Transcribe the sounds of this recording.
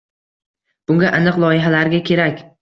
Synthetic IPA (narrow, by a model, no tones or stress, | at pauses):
b̥ʊŋɡʲaʔanɨqlˠɒjɪɦalaɾɡʲakʲʰe̞ɾakʲ